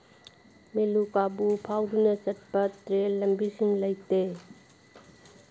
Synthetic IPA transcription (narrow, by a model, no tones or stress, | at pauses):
melukabupʰawdunɐt͡ʃɐt̚bɐtɾellːɐmbisiŋlɐjte